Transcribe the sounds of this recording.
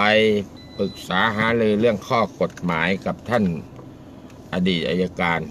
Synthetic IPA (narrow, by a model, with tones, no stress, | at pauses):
a˧j | pɯ˨˩k̚saː˨˩˦ɦaː˨˦lɯː˧lɯ˥˩əŋkʰɔː˥˩ko˨˩t̪̚maː˩˦jka˨˩p̚t̪ʰa˥˩n | ʔa˧diː˨˩t̪̚ʔa̰˧ja˧kaː˧n